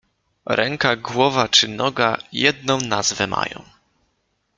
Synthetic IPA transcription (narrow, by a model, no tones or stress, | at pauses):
ɾɛŋkaɡwɔvat͡ʂɘnɔɡajɛd̪̚nɔ̃w̃nazvɛma̰jɔ̰̃w̃